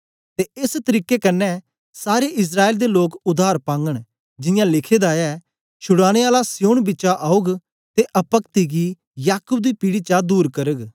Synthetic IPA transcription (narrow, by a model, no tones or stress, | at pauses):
t̪eɪst̪əɾiːkːekɐnːɛ | saːɾeʔɪs̬ɾaːeːld̪eloːkʊd̪ʱaːɾpãːŋɡəɽ̃ | d͡ʒɪjãlɪkʰed̪aɛ | t͡ʃʰʊɽaːɽ̃eaːlasɪjoːɽbɪt͡ʃaʔaːʊɡ | t̪eʔɐpəkt̪iɡi | jaːkʊb̚d̪ipiɽit͡ʃad̪uːɾkɐɾəɡ